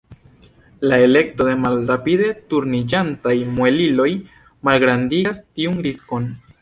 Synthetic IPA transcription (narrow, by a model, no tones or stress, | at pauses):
lae̞le̞kto̞de̞malɾapide̞tuɾnid͡ʒantajmwelilo̞j | malɡɾandiastiunɾisko̞n